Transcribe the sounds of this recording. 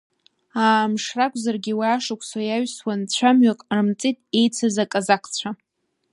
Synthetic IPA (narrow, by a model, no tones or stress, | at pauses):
aːmʂrakʷʼzarɡʲiwaaːʂakʷʰswajaɥswant͡ɕʷʰamɥakʼrɨmt͡sʼitʼe̞jt͡sʰazakʼazakʰʼt͡ɕʷʰa